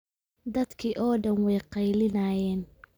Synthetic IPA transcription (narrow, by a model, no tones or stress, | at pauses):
d̪ɐd̪kʰiʔɔːɖɐnwɛjqɑjlɪnaːjɛːn